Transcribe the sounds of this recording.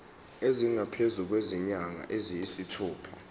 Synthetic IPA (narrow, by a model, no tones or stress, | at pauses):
eziŋapʰezuk̬weziɲaŋa̰ʔezijisitʰuːpʰa